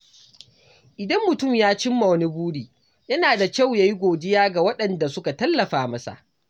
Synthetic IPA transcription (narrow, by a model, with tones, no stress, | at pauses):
ʔɪ˨dɐ˦mːʊ˨tʊ˦mjaː˦t͡ʃɪ˦mːa˨wɐ˦ni˦buː˦ɽiː˨ | jɐ˦naː˨da˨kʲa˦˨wjaː˦ji˦ɡʷoː˨d͡ʒɪ˦jaː˦ɡa˨wɐ˦ɗɐ˨nda˨sʊ˦ka˨tɐ˦lːɐ˨ɸaː˨mɐ˦sa̰˨ʔ